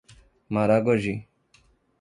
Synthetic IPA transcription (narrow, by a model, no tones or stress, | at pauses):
maɾaɡoʒi